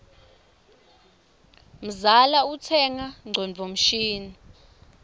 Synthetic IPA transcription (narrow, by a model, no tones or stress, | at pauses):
m̩zalautʰɛŋaŋ͡ǀʱɔnd͡vʱom̩ʃiːnu